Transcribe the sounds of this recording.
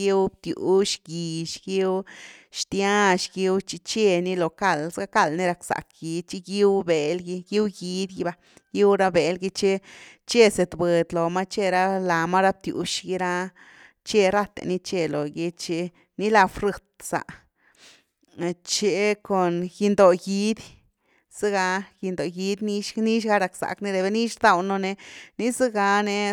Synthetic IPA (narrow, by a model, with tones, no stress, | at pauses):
i˦wb̚t̪jṵ˨ʃɡi˨ʃɡi˦wʃt̪ja˦ʃɡi˦wt͡ʃi˧t͡ʃe˦ni˦lo˨ka˦˧˨lsɡa˦ka˦˧˨lni˦ɾa˧ksa̰˨kɡi˨˧˦d̪̚t͡ʃi˦ɡi˦wbe˨lɡi˧ɡi˦wɡi˧˦d̪ɡi˧ba˧ | ɡi˦wɾa˦be˨lɡi˧t͡ʃe˦ | t͡ʃe˦se˨t̪be˨d̪lo˨ma˦t͡ʃe˧ɾa˦la˨ma˦ɾa˦b̚t̪jṵ˨ʃɡi˧ɾa˦ | t͡ʃe˦ɾa˦t̪ḛ˧ni˧t͡ʃe˧lo˨ɡi˧t͡ʃe˧ | ni˦la˧fɾɨ˧t̪̚sa̰˨˧ | t͡ʃe˧ko˨nji˧nd̪o˨ɡi˧˦d̪ | sɨ˦ɡa˧ɡi˧nd̪o˨ji˧d̪ʲni˦ni˦ʃɡa˦ɾa˨ksa̰˨kni˦ɾe˨be˧˦ni˦ʃɾd̪a˦˨wno˧ne˧ni˦zɨ˦ɡa˧ne˧